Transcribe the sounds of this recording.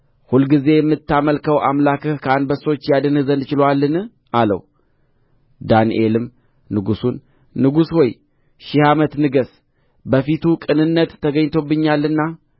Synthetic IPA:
hulɡize̞jɛmːɨt̪ːaməlkəwʔamlakɨhkʰəanbəso̞t͡ʃːjad̪ɨnhɨzənɨt͡ʃɪlowalːɨnɨ | ʔalə̰w | d̪anḭʔe̞lɨm | nɨɡusunː | ɨɡushoj | ʃɪhamət̪nɨɡəs | bəfit̪ʰukʼɨnɨnːət̪ːəɡəɲːt̪ʰo̞bːɨɲːalːɨnːa

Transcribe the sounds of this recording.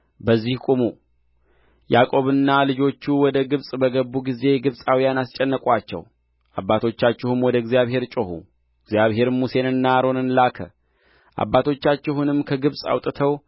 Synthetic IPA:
bəzːihkʼumu | jakʼo̞βɨnːalɨd͡ʒo̞t͡ʃːuwɔd̪əɡɨβsʼbəɡəbːuɡize̞ɡɨβsʼawijanast͡ʃʼːɛnːəkʼwat͡ʃːɛ̰w | ʔa̰bːat̪ʰo̞t͡ʃːat͡ʃːɛhumwɔd̪əɡzjaβhe̞ɾt͡ʃʼohṵ | ɪɡzjaβɦe̞ɾmuse̞nɨnːaɾo̞nɨnlakʰə | ʔa̰bːat̪ʰo̞t͡ʃːat͡ʃːɛɦunɨmkʰəɡɨβsʼa̰wt̪ʼɨt̪ʰəw

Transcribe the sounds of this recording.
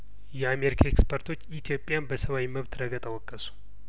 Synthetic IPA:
jɛameɾikʰaekspʰəɾt̪ʰo̞t͡ʃːit̪ʰjo̞pʼjanbəsəβawiməβt̪ɾəɡət̪ʼawɔkʼːəsu̥

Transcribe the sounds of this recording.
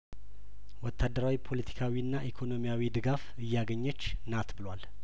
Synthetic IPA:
wɔt̪ʰːad̪ːəɾawipʰo̞lət̪ʰi̥kʰawiɨnːaʔikʰo̞no̞mijawid̪ɨɡafɨjːaɡəɲːɛt͡ʃːnat̪bɨlwal

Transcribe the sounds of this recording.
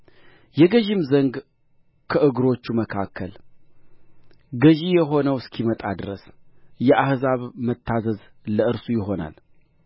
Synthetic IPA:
jɛɡəʒɪmzəŋɡ | kʰəʔɨɡɾo̞t͡ʃːuməkʰakʰːəl | ɡəʒijɛɦo̞nəwɨskʰimət̪ʼad̪ɨɾəsjɛʔahzaβmət̪ʰːazəz | ləɨɾsujɪɦo̞na̰l

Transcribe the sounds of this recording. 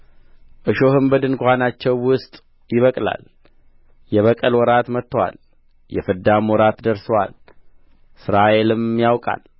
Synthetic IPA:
ʔɨʃohɨmbəd̪ɨnkʷʰanat͡ʃːɛwːʊst̪ʼ | jɪβəkʼla̰l | jɛβəkʼəlwɔɾat̪mət̪ːəwa̰l | jɛfɨd̪amwɔɾat̪d̪əɾsəwa̰l | sɨɾaʔe̞lɨmjawkʼa̰l

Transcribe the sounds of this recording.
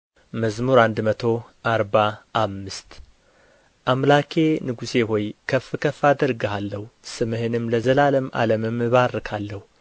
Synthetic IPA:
məzmuɾand̪mət̪ʰo̞ʔaɾbaʔːmːɨst̪ | ʔamlakʰe̞nɨɡuse̞ɦo̞jkʰəfːɨkʰəfad̪əɾɡəhalːəhusɨmɨhɨnɨmləzəlaləma̰ləmɨmɨβaɾɨkʰalːəhu

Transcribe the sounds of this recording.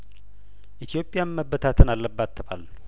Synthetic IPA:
ʔit̪ʰijo̞pʼːɪjanməbːət̪ʰat̪ʰɨnalːəbːat̪ʰːəba̰lː

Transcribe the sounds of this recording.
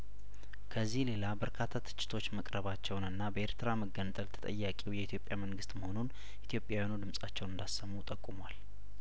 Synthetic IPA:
kʰəzːihle̞labəɾkʰat̪ʰːat̪ʰɨ̥t͡ʃʼːɪ̥t̪ʰo̞t͡ʃːməkʼɾəβat͡ʃːɛwnɨnːabəeɾt̪ʰɨɾaməɡːənt̪ʼəlt̪ʰə̥t̪ʼə̰jːakʼiwjɛit̪ʰjo̞pʼjaməŋɡɨst̪məho̞nun | ʔit̪ʰjo̞pʼjawjanud̪ɨmsʼat͡ʃːɛwnɨnd̪asːəmːut̪ʼəkʼːumwal

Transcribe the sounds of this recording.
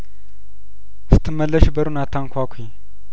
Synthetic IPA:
sɨ̥t̪ʰːɨmːəlːəʃbəɾunat̪ʰːaŋkʷʰakʷʰi

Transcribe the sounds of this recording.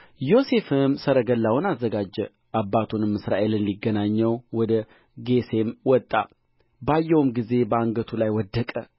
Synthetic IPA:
jo̞se̞fɨmsəɾəɡəlːawnazːəɡad͡ʒːɛ | ʔabːat̪ʰunɨmːɨsɾa̰ʔe̞lɨnliɡːənaɲːɛwwɔd̪ə | ɡe̞se̞mwɔt̪ʼːa̰ | bajːɛwmɡize̞bəaŋɡət̪ʰulajwɔd̪ːəkʼə

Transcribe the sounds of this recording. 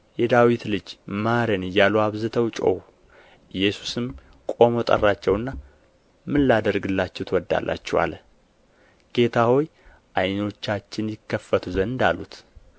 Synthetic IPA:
jɛd̪awit̪lɨd͡ʒmaɾenɨjːaluwaβzɨt̪ʰəwt͡ʃʼo̰w | ɨjːɛsu̥sɨm | kʼo̞mo̞t̪ʼə̰rːat͡ʃːɛwɨnːa | mɨlːad̪əɾɡɨlːat͡ʃːɛwt̪ʰəwɔd̪ːa̰lːa̰t͡ʃːɛwa̰lə | ɡ̥e̞t̪ʰaho̞j | ʔajno̞t͡ʃːat͡ʃːɪnjɪkːəfːət̪ʰuzənɨnd̪alːut̪

